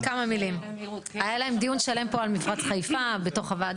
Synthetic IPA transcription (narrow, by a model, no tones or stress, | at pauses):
kamamilim | ajalae̞md̪ijunʃale̞mpo̞almifʁat͡sχajfabe̞to̞χavad